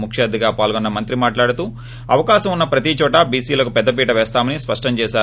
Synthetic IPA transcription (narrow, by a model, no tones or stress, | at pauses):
mukʰʂaːd̪iɡaːpaːlɡonːɐmɐnt̪ɾimaːʈlaːɽut̪uː | ɐʋɐkaːʃɐmunːɐpɾɐt̪it͡ʃɔːʈɐbiːsiːlɐkupɛd̪ːɐpiːʈɐʋɛːst̪aːmɐnispɐʂʈɐmt͡ʃɛːʃaː